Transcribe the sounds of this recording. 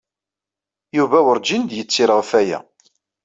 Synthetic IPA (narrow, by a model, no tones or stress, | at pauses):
juvæwəɾd͡ʒind̪jət͡sːiɾəʁfæjæ̰